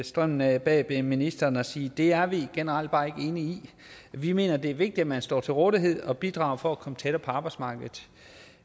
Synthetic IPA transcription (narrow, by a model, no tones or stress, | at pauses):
sd̥ʁœm̰n̩æb̥ɛ̰b̥eminisd̥ɐːnɒ̽siːd̥e̝æɐʋiɡ̥e̝nəʁɑl̰d̥̚b̥ɑ̰̈ːe̝ɡ̥əe̝nii | ʋime̝̰ːnɐd̥e̝æɐʋe̝ɡ̥̚d̥i̥æmænsd̥ɒ̰ːt͡sʰe̝lʁɔːðˠiɦe̝ð̰ˠɒ̽b̥id̥ʁɑ̰̈ːʊfɒ̽ækʰɒ̽mət͡sʰeɾ̥ɐpʰɒ̽ɑ̈ːb̥ɑ̈ɪsmɑ̈ːɡ̥ð̩ˠ